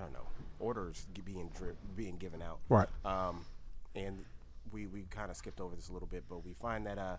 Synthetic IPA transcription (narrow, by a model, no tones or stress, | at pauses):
dõʊ̃nːo̰ʊʔɔɹɾə˞z̥biɪ̃ŋdɪbiɪ̃ŋɡɪvɨ̃naʊt̚ɹaɪtʌ̃mɨ̃n | wiwikʰãɪ̃ndɨskɪp̚toʊvə˞ðɪsəlɪɾl̩ˠbɪt̚b̥ʌt̚wifãɪ̃nðɨɾʌ